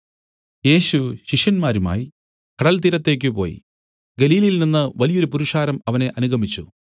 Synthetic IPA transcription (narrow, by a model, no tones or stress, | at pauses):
je̞ːɕuɕiʂjɐnmaːɾuma̰ːji | kʰɐɽɐlt̪iɾɐt̪ːe̞ːk̬ʲːɨpo̞̰ːjḭ | ɡeliːlɐjilninːɨʋɐlijo̞ɾupuɾuʂaːɾɐmɐʋɐne̞ʔɐnuɡʱɐmit͡ɕːu